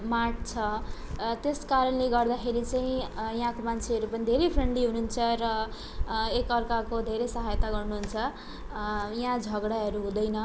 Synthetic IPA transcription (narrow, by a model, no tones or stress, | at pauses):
maʈ̚t͡sʰʌ | t̪eskaɾʌnleɡʌrd̪axʰeɾit͡saĩjãkomant͡sʰeɦʌɾupʌnid̪ʱeɾepʰreɳɖiɦununt͡sʰʌrʌ | ekʌrkakod̪ʱeɾesʌɦajt̪aɡʌrnuɦunt͡sʰʌ | jãd͡zʱʌɡɽaɦʌɾuɦũd̪ʌjnʌ